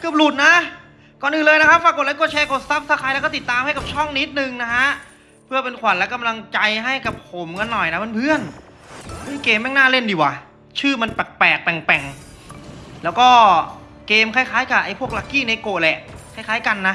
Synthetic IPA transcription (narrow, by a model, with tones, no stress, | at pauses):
kʰɯ˨˩ə˩p̚luː˨˩t̪̚na˦˥ | kɔː˨nʔɯː˨˩nlɤː˧jna˦˥kʰa˦˥p̚faː˨kːo˨˩lkɔː˧˩t͡ɕʰɛː˧koː˧˩sa˦˥p̪̚ʰa˧˩aː˧jlɛ˦˥kːt̪i˨˩t̪ːaː˧mha˥˩jka˨˩p̚t͡ɕʰɔ˥˩ŋni˦˥t̪̚nɯ˨ŋna˦˥hʰa˦˥ʔ | pʰɯ˥˩əpe˧nkʰwa˨˩˦nlɛ˦˥wka˧mla˧ŋt͡ɕa˧jɦa˥˩jka˨˩p̚pʰo˨˩˦mka˧nːɔ˨˩jna˦˥ma˧npʰɯ˥˩ən | ʔa˧˥˩keː˧mːɛ˥˩ŋnaː˥˩le˥˩ndiː˧˩waː˨˩ | t͡ɕʰɯː˥˩ma˧npɛ˨˩k̚pɛː˨˩k̚pɛ˨˩ŋpɛ˨˩ŋ | lɛː˦˥wkɔː˥˩ | keː˧mkʰaː˥˩jkʰaː˦˥jka˧˩ʔa˧jpʰu˥˩ək̚la˧kiː˥˩na˧jkoː˨˩lɛ˨˩ʔkʰa˧˥˩jkʰaː˦˥jka˧nːa˦˥